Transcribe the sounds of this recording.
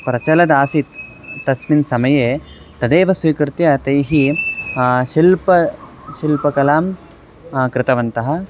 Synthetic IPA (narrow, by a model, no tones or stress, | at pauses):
pɾɐt͡ʃɐlɐd̪aːsit̪ | t̪ɐsminsɐmɐjeː | t̪ɐd̪eːʋɐsʋiːkɾɪt̪jɐt̪ɐjɦi | ʃilpɐ | ʃilpɐkɐlaːm | kɾɪt̪ɐʋɐnt̪ɐɦɐ̆